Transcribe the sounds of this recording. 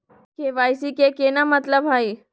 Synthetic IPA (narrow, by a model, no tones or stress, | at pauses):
keʋaːjsikekenamət̪ləbʱɦai